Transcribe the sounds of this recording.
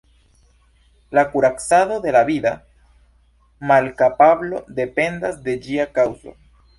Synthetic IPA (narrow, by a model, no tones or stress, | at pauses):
lakuɾaksaðo̞ðe̞laβida | malkapaβlo̞d̪e̞pe̞nd̪azd̪e̞d͡ʒiakawzo̰